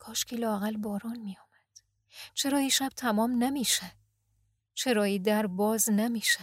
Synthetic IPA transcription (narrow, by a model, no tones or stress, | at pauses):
kʰɒːʃkʰiːlɒːæɣælbɒːɾɒːnmijɒːmæd̪̥ | t͡ʃʰe̞ɾɒːjiːʃæb̥̚t̪ʰæmɒːmnemiːʃe | t͡ʃʰe̞ɾɒːiːd̪æɾbɒːznemiːʃe